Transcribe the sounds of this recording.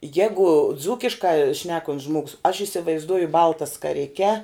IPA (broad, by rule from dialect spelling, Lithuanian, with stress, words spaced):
ˈjæːɡʊ ˈd͡zuːkʲɪʃkɐ ˈʃʲnʲæːkoːnʲtʲs ˈʒmoːɡʊs ɐʃ ɪsʲɪʋɐɪzˈduɔjʊ ˈbɐlˠtɐ skɐˈrʲɪkʲɛ